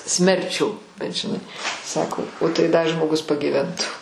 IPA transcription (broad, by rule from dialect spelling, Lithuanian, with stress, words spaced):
ˈsʲmʲɛrʲˌt͡ʃʲuː bʲɛt ʒʲɪˈnɐɪ ˈsɑːkoː oː tɐɪ ˈdɐ ʒmoːˈɡʊs pɐɡʲiːˈʋʲɛntʊ